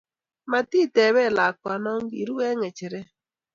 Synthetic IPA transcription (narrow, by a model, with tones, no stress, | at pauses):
ma˨ti˦˨tɛ˨βɛ˦˨la˨kwa˨nɔ˦ŋ˦ɡḭ˨ɾu˦ɛ˦ŋɛ˨t͡ʃɛ˨ɾɛ˦